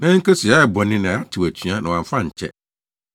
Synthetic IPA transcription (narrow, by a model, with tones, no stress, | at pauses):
nã˦ŋ̩˦ke˦si˨a˨˦ɛ˨bɔ̃˨nɪ̃˦nã˨˦a˦tʰɪ˨wæ˨t͡ɕʰɥa˦nã˨wã˨ɱ˨˦fã˦ɲ̩˨t͡ɕʰɛ̰˦